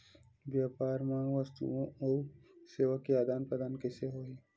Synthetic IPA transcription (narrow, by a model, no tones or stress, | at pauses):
ʋjaːpaːɾmãʋəst̪ṵõɔːɾseːʋəkːiaːd̪aːnpɾɐd̪aːnkeseɦoːɦiː